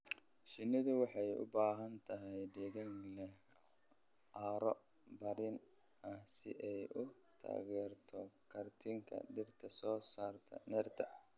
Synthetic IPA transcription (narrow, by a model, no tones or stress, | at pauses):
ʃɪnɪðʊwɑħɑjʊ̰baːɦɐnt̪ʰɐɦɛjɖɛɣɐŋlɛh | aːɾɔ | bɐɾɪn | ɐsɪ̰ʔɛjʔʊ | t̪ʰa̰ːɣɛːrt̪ʰɔkʰɐrt̪ʰɪŋkʰɐ̰ɖɪrt̪ʰɐsɔːsaːrt̪ʰɐ̰nɛrt̪ʰɐ